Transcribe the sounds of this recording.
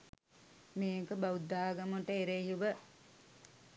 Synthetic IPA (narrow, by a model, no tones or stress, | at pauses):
meːkəbaud̪ːaːɡɐmoʈəeɾeɦiʋə